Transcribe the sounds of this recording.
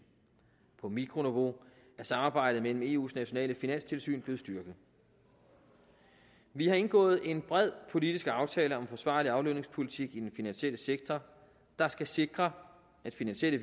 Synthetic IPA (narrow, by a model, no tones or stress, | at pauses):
pʰɒ̽miɡʰʁo̝niʋo̝æɐsɑ̈mɑ̈ːb̥ɑ̈ɪ̰d̥ð̩mel̰m̩e̝̰ːṵːsnæɕo̝nɛ̰ːləfinæn̰st͡sʰe̝lsy̰ːnb̥le̝ːð̩ˠsd̥ɶɐɡ̥ð̩ˠ | ʋihɑ̈e̝nɡ̥ɔ̰̽ːð̞̩ˠe̝nb̥ʁɛð̞̰ˠpʰo̝lid̥isɡ̥ɑ̈ʊt͡sʰɛːləɒ̽mfɒ̽sʋɑ̈ːliɑ̈ʊløne̝ŋspʰo̝lit͡sʰiɡ̥id̥enfinænɕiel̰əseɡ̥̚t͡sʰɒ | d̥ɑ̈sɡ̥æse̝ɡ̥ʁɐ | æd̥finænɕelə